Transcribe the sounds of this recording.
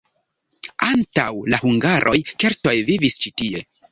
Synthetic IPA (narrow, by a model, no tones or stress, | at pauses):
antawlahuŋɡaɾʔo̞jke̞ɾto̞jvivist͡ʃitie̞